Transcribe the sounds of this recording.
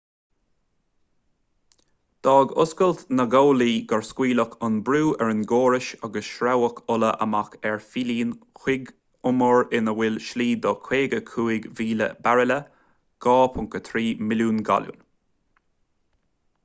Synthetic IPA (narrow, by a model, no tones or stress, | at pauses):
d̪̥ɑːɡʊskəlt̪nəɡoːliːɡaɹskwiːləkʰʊnbɾuːʔɛɹɪnɡoːɹɪʃaɡəsʃɾawəkʰʊləʔə̰makɛɹfiliːnxwɪɡ | ʊməɹɪnəwɪlʃliːd̪ɔkʰweːɡəkʰuːɪɡviːlə̰baɹɪlə | ɡ̥ɑːpʰʊŋkət̪ʰɾiːmɪljuːnɡa̰ljṵn